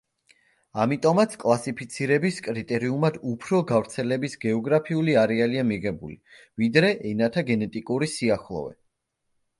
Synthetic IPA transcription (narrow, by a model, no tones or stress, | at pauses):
amit̪ʼɔmat̪sʰkʼlˠasipʰit̪sʰiɾɛbiskʼɾit̪ʼɛɾiumad̪upʰɾɔɡavɾt̪sʰɛlɛbisɡɛɔɡɾapʰiuliaɾɛaliamiʁɛbuli | vid̪ɾɛʔɛnat̪ʰaɡɛnɛt̪ʼikʼuɾisiaχlˠɔ̰vɛ̰